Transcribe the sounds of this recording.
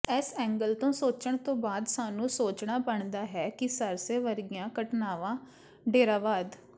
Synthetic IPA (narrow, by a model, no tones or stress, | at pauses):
ɛːsɛ̃ːŋɡəlt̪õːsoːt͡ʃəɳt̪õːbaːd̪saːnũːsoːt͡ʃɳaːbəɳd̪aːɦɛːkɪsəɾseːʋəɾɪjãːkəʈnaːʋãː | ɖeːɾaːʋaːd̪